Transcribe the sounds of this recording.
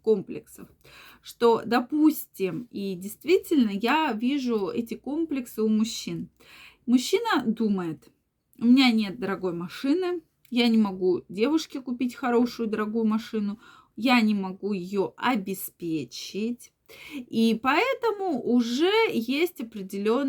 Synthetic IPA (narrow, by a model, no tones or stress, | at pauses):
ko̞mplʲɪ̰ksə̰f | ʂt̪o̞d̪ɐpusʲtʲɪmidʲɪjst̪vʲitʲɪlʲnəjavʲiʐʊɛtʲɪko̞mplʲɪksɨʊmʊɕːin | mʊɕːinəd̪uməjɪt̪ | ʊmʲɪnʲanʲe̞t̪̚d̪əɾɐɡo̞jmɐʂɨnɨ | janʲɪmɐɡudʲe̞vʊʂkʲɪkʊpʲitʲxɐɾo̞ʂʊjʊd̪əɾɐɡujʊmɐʂɨnʊ | janʲɪmɐɡujɪjoɐbʲɪspʲet͡ɕɪtʲ | ipɐɛt̪əmʊʔʊʐɛjesʲtʲɐpɾʲɪdʲɪlʲo̞n